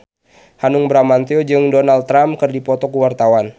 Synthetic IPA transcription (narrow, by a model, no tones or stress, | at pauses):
hanʊŋbɾamant̪eod͡ʒɨŋdɔnaldt̪ːɾamkɨrdipɔt̪ɔkuwart̪awan